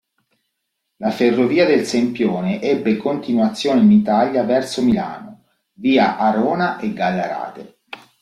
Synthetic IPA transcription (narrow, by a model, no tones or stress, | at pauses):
laferːoviːad̪elsempjoːneʔɛbːekont̪inwat̪sːjoːneɪinit̪aʎːavɛrsomila̰ːno | viːaʔaɾɔːnaʔeɡːalːaɾa̰ːt̪e